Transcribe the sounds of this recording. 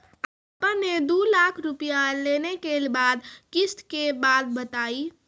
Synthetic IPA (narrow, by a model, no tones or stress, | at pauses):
əpəned̪ulaːkʰɾʊpijaleːnekelbaːd̪kɪst̪kebaːd̪̚bət̪aːi